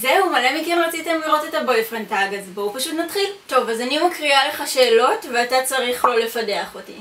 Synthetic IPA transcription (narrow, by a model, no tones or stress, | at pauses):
zeumalemikimʁat͡sitemliʁo̞tetabojfʁentaɡazboupaʃutnatχilto̞vazanimakʁiale̞χaʃe̞ːlo̞tveatat͡saʁiχlo̞lefade̞aχotḭ